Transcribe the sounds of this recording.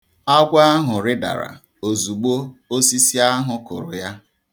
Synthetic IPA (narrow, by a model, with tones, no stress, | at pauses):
a˦ɡʷa˦a˦ɦʊ˨ɾɪ˦da̰˨ɾa̰˨ | o˨zu˨ɡ͡bo˦o˦si˦si˦a˦ɦʊ˨kʊ̰˨ɾʊ˨ja˦